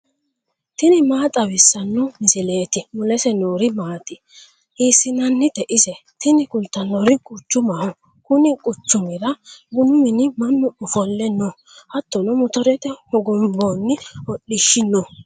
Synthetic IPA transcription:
t̪ɪnɪmaːt̪ʼɐwɪsːɐnːʊmɪsɪleːt̪ɪmʊlɛsɛnuːɾɪmaːt̪ɪ | iːsːɪnɐnːɪt̪ɛʔɪsɛt̪ʰɪnɪkʊlt̪ːɐnːɔɾɪkʼʊt͡ʃːʊmɐhʊ | kʊnɪkʼʊt͡ʃːʊmɪɾɐbʊnʊmɪnɪmɐnːʊʊfɔlːɛnːɔ | hɐt̪ːɔnɔmʊt̪ɔɾɛt̪ɛhɔɡɔmbɔːnːɪɔɗɪʃːɪnːɔ

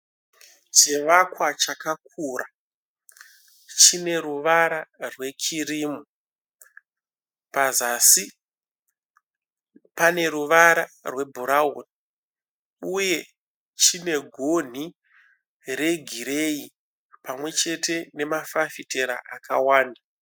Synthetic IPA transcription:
t͡ʃeʋakwat͡ʃakak̚ʰuːra | t͡ʃine̞ɾuʋaɾarwe̞kʰiriːmu | pazasi | pane̞ɾuʋaɾarwe̞bʱuɾauni | uje̞ | t͡ʃine̞ɡʱon̤i | re̞ɡʱiɾei | pamwe̞t͡ʃe̞tʰe̞ne̞mafafite̞ɾa̰ʔakawaːnda

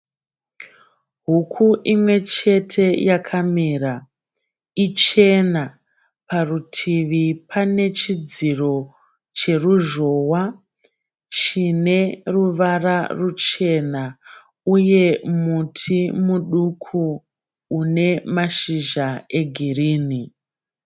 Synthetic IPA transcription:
ɦukʰuʔimwe̞t͡ʃe̞tʰe̞jakʰamiɾa | it͡ʃe̞na | parutʰiʋipʰane̞t͡ʃid͡ziro̞ | t͡ʃe̞ruʒo̞wa | t͡ʃine̞ruʋararut͡ʃe̞na | uje̞mutʰimuɗukʰuː | ne̞maʃiʒae̞ɡʱiriːni

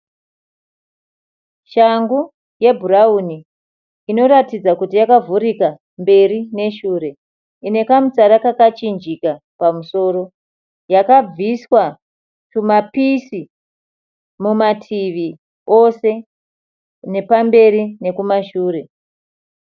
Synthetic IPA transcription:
ʃaŋɡu | je̞bʱurauniː | no̞ɾatid͡zakutijakavuɾika | mbe̞rine̞ʃuɾe̞ | ine̞kamut͡saɾakakat͡ʃind͡ʒika | pamuso̞ːɾo | jakab͡viswa | kumapisi | mumatʰiʋi | o̞se̞ | ne̞pambe̞ɾine̞kumaʃuːre̞

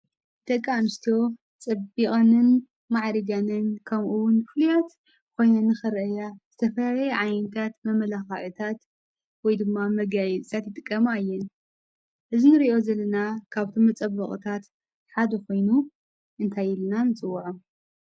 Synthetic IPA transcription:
t̪ʰɐkʼːamɨst̪ʰo̞ | t͡sʼɐbiχʼanɨn | maʕɾiɡanɨnkʰɐmʔuwʊnbɨfɨlujat̪ | kʰo̞jnanɨxɨɾʔɐjaz̥ɨt̪ʰɐfɐlalɐjɛʕajnt̪ʰat̪mɐmɐlaxɐʕɨt̪ʰat̪ | wɔjd̪ɨmːamɐɡajɛt͡sʼt̪ʰat̪jɪt̪ʼɨkʼːɐmajːɛn | ʔɨzinɨɾio̞zɐlːɐnakʰaβt̪ʰomɐt͡sʼɐβːɐχʼɨ̰t̪ʰat̪ | ħad̪ɐko̞jnu | ʔɨnt̪ʰajɪlnanɨt͡sʼɨwːaʕu

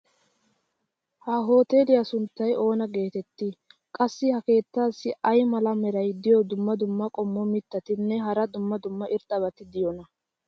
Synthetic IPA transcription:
hɐɦo̞ːt̪eːlɪjasʊnt̪ːɐjʔo̞ːnɐɡe̞ːt̪ɛt̪ːɪkʼɐsːɪhɐke̞ːt̪ːaːsːɪʔɐjmɐlɐmɛɾɐjd̪ɪjɔd̪ʊmːɐd̪ʊmːɐkʼɔmːɔmɪt̪ːɐt̪ɪnːɛɦɐɾɐd̪ʊmːɐd̪ʊmːɐʔɪɾt̪ʼɐβɐt̪ɪd̪ɪjɔnɐ

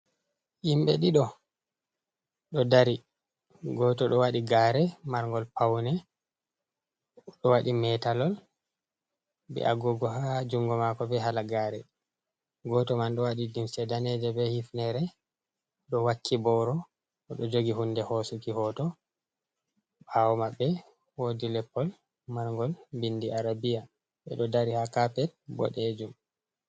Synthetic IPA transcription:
ʔimɓɛɗiɗɔ | ɗɔdaɾi | ɡɔːtɔɗɔwaɗiɡaːɾɛmaɾŋɡɔlpawnɛ | ɗɔwaɗimɛtalɔl | bɛ̰ʔaɡɔɡɔɦad͡ʒuŋɡɔmakɔbɛɦalaɡaːɾɛ̰ | ɡɔtɔmanɗɔwaɗidimsɛdanɛd͡ʒɛbɛhifnɛɾɛ | ɗɔwakːibɔɾɔ | ɔɗɔd͡ʒoɡihundɛhɔsukihɔtɔ | bawɔmabːɛ | wodilɛpːɔl | maɾŋɡɔlbindiʔaɾabija | ɓɛ̰ɗɔdaɾihakapɛt̚bɔ̰ɗɛd͡ʒum

